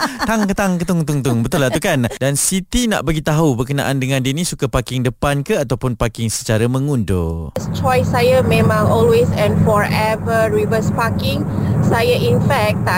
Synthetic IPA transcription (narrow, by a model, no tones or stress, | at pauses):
t̪aŋkət̪aŋkət̪ʊŋt̪uŋt̪ʊŋbət̪ʊlat̪ukandansit̪ina̰ʔbaɡit̪aɦubərkəna̰ʔandəŋãndinĩsukapakɪŋdəpankəat̪awpʊnpakɪŋsə̥t͡ʃaɾamə̃ŋundo̰st͡ʃɔjsːajəmẽmãlɔlwesɛ̃nfɔɹɛvəɹivəspakɪ̃ŋsajəʔĩnfɛk̚t̪